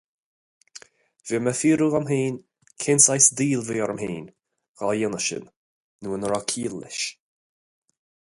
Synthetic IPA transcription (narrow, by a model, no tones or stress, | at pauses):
viməfiːɾuɣamɦiːn | kʰɪnsajsd̪iːlviːɔɾəmhiːn | ɣ̥ajɪnəʃə̰nː | uːənɾɔkʰiːlːɪ̰ʃ